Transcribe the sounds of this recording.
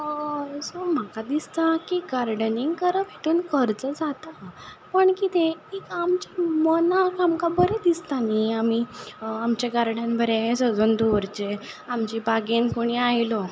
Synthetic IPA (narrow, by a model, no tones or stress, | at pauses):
som̤akad̪ist̪akiɡaɾɖəniŋɡkəɾəpeʈ̪uːnkəɾt͡səd͡zat̪a | pəɳkit̪ʰẽikamt͡ɕamənakamkabəɾed̪ist̪aniamiamt͡ɕaɡaɾɽãnbʱəɾesəd͡zuːnd̪oɾt͡ɕe | amt͡ɕibaɡenkuɽ̃iajlɔ